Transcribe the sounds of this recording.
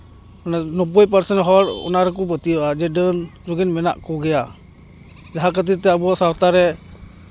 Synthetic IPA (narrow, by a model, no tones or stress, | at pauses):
nanɔpɔjp̬əɾsɛnɦɔɾɔ̰naɾɛk̬ubət̪ijɔʔad͡ʒɛdənɾuɡinmɛna̰ʔkɔɡɛja | d͡ʒaɦakət̪̬it̪ɛabuasawt̪aɾɛ